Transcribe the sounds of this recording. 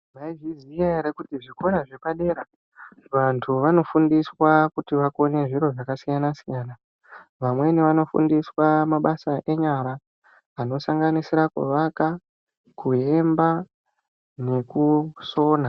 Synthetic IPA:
maiʐizijaeɾekutiʐiko̞ɾaʐe̞paɗe̞ːɾa | ʋantʰuʋano̞fundiswakutiʋako̞ne̞ʐiɾo̞ʐakasijanasijaːna | ʋamwe̞niʋano̞fṵndiswamaɓasaʔe̞ɲaɾaː | no̞saŋɡanisiɾakḛʋaka | kue̞mba | ne̞kuso̞ːna

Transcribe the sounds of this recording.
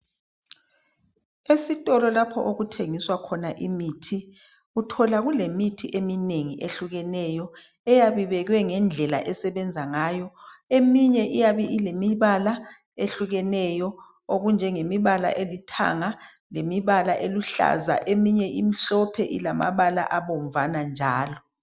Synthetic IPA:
esitʼɔlɔlapʰɔ̰ʔoɣutʰeŋiswakʰɔnaʔimiːtʰi | utʰɔlaɣulemitʰiʔemineŋiʔeɬuɣɛnɛjɔ | ɛjaβiβɛɣwɛŋɛnd͡ɮʱɛla̰ʔɛsɛβɛnd͡zʱaŋaːjɔemiɲɛʔijaβiʔilemiβala | eɬuɣɛnɛjɔ | oɣund͡ʒʱɛŋemiβala̰ʔelitʰa̰ŋa | lemiβalaʔeluɬa̰za̰ʔemiɲɛimiɬɔpʰɛʔilama̰βala̰ʔaβoɱvanand͡ʒʱaːlɔ

